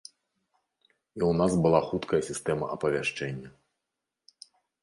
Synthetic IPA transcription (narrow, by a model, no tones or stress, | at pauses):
iwnasbɨlˠaxut̪kʰɐjɐsʲist̪ɛmɐʔɐpɐvʲaʂt͡ʂɛnʲːɐ